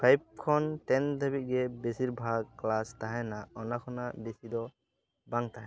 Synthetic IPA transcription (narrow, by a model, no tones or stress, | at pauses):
pʰajb̚kʰɔnʈɛnd̪əbit̪̚ˀɡɛbesiɾbʱaɡ̚klast̪aɦɛnaɔnakʰɔnaʔbesid̪ɔ | baŋt̪aɦɛ̃